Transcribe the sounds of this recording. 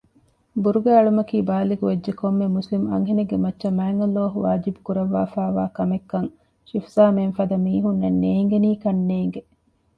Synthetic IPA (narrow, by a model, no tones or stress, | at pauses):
buɾuɡæːɐɭumɐkiːbaːliɡuʋed͡ʒd͡ʒekomːemːuslimɐ̰ŋɦeneɡemɐtːʃɐmæːŋɡɐlːoːɦuʋaːd͡ʒibu̥kuɾɐʋːaːfaːʋaːkɐmekːɐŋ | ʃifsaːmenfɐd̪ɐmiːɦunːenːeːŋɡeniːkɐnːeːŋɡe